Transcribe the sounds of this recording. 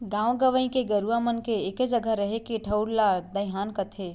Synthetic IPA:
ɡãwɡəʋəĩkeɡəɾuamənkeːked͡ʒəɡəɾəɦekiʈʰəʊɾlad̪əjɦaːnkət̪ʰe

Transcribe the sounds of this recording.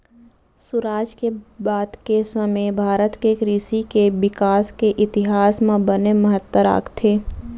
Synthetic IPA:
sʊɾaːd͡ʒkebaːd̪kesəməjbʱaːɾət̪kekɾiːsikeʋɪkaːskeʔɪt̪ɪɦaːsmãbəneməɦət̪wəɾa̰ːɡt̪ʰeː

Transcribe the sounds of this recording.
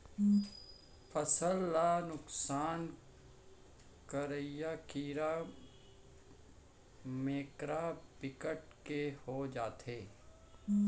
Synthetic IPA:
pʰəsəlːanʊksaːn | kəɾəjakiːɾa | meːkɾapɪkəʈ̚kehod͡ʒaːt̪eː

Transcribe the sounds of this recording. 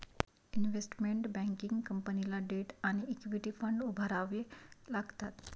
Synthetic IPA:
inʋesʈmeɳʈbɛ̃ŋkiŋɡkəmpənilaɖeʈaɽ̃iːkʋiʈifəɳɖubʱaɾaʋelaɡt̪at̪

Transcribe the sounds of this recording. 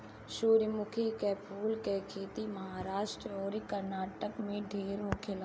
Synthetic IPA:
ʃuːɾmʊkʰikɛːpʰuːlkekʰeːt̪iməɦaːɾaːʃʈɾəɔːɾikəɾnaːʈəkmẽɖʱeːɾɦoːkʰɪla

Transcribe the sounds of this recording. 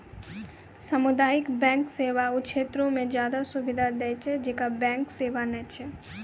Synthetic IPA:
səmʊd̪aːɪkbɛ̃ːŋkseːʋaʊʃʰeːt̪ɾõmẽd͡ʒjaːd̪asʊʋɪd̪ʱad̪ɛjt͡ʃʰɛd͡ʒeːkabɛ̃ŋkseːʋanɛt͡ʃʰɛ

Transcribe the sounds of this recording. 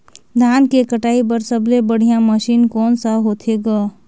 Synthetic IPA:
d̪ʱaːnkekəʈaːip̬ɐɾsəblebəɽ̤ijãməʃiːnkɔːnsaɦoːt̪ʰeːɡaː

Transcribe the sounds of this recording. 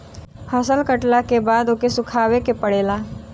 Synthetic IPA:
həsəlkəʈlakebaːd̪oːkesʊkʰaːwekepəɽeːlaː

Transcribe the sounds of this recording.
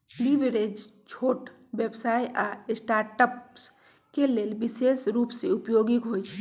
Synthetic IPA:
liʋeɾed͡ʒt͡ʃʰoːʈ | bebsaːjʔasʈaːɾʈəps | keleːlbisesɾuːpseupjoɡikɦojt͡ʃʰɛ

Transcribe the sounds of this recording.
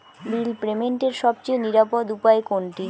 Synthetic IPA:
bilpɾemeɳʈeɾʃɔbt͡ɕeoniɾapod̪upaekoɳʈi

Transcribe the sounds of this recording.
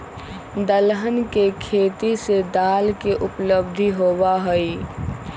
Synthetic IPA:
d̪əlɦənkekʰeːt̪ised̪aːlkeʔʊpləbd̪ʱiɦowaɦəi

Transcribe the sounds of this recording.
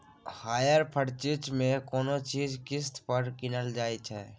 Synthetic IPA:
haːjəɾpʰəɽt͡ʃɪt͡ʃmẽkɔːnot͡ʃiːd͡ʒkɪst̪pəɾkɪnəld͡ʒaːit͡ʃʰɛ̰ː

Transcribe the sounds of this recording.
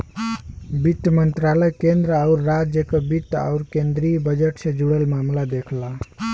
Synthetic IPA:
bit̪ːəmənt̪ɾaləjkend̪ɾəauɾːad͡ʒjəkebit̪ːa̰uɾkend̪ɾibəd͡ʒeʈsẽd͡ʒuɽəlmamlad̪ekʰla

